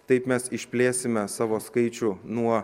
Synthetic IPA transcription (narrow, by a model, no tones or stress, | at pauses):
t̪ɐɪpmʲɛsɪʃʲpʲlʲeːsʲɪmʲɛsɑːʋoːskɐɪt͡ʃʲʊnuɔ